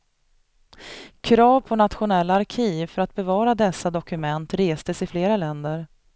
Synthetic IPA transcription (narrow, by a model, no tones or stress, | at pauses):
kʰɾɑːvpʰɔnat̪ɧʊnɛlːaːɾkʰiːvfœɾat̪̚bɛvɑːɾad̪ɛsːad̪ɔkɵmɛnt̪ɾeːst̪əsɪfleːɾalɛnd̪əɾ